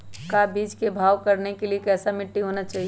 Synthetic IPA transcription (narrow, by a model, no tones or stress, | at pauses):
kabid͡ʒkebʱaːʋkəɾnekeliekɛsamɪʈːiɦonət͡ʃaːɦi